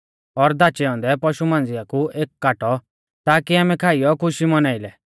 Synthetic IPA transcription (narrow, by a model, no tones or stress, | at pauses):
ɔɾd̪at͡ʃɛɔ̃nd̪ɛpɔʃumãːnd͡zɪjakuʔeːkːaːʈɔ | t̪aːkiaːmɛkʰaːijɔkʰʊʃimɔnaːɪlɛ